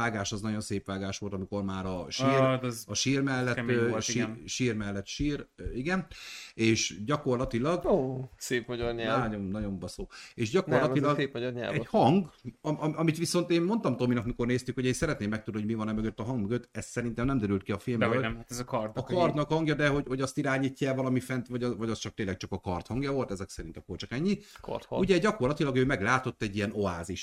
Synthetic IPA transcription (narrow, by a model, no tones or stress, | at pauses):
aːɡaːʃɒznɒɟo̞nseːpʋaːɡaːʃʋo̞lt̪ɒmiko̞rmaːɾɒʃiːɒʃiːrmɛlːɛt̪ːʃiiʃiːrmɛlːɛt̪ʃiːriɡɛneːʃɟɒko̞rlɒt̪ilɒɡoseːpmɒɟorɲɛɟonnɒɟo̞mbɒsoːeːʃɟɒkorlɒilɒɡeːmɒɟorɲɛ̰ɛhɒŋɡɒɒɒmit̪ʋiso̞nt̪eːmmo̞nt̪ɒmt̪o̞minɒkmiko̞rneːst̪ykho̞ɟeːnsɛɾɛt̪neːmːɛk̚t̪ud̪ihoɟmivɒnɛmøɡøt̪ːɒɦɒŋɡmøɡøt̪ɛst̪sɛɾint̪ɛmnɛmd̪ɛɾylt̪kiɒfilmbøɛmaɛzɒkɒrt̪ɒkɒrt̪nɒkhɒŋɡjɒd̪ɛɦo̞ɟho̞ɟɒst̪iɾaːɲiːcːɛːvɒlɒmifɛnt̪vɒɟvɒɟɒst͡ʃɒk̚t̪eːnlːɛk̚t͡ʃɒkɒkɒrt̪hɒŋɡjɒvo̞lt̪ɛzɛksɛɾint̪ɒkːort͡ʃɒkɛɲːik̪uɟɛɟɒko̞rlɒt̪ilɒɡøːmɛɡlaːt̪o̞t̪ːɛɟːiɛno̞aːziʃ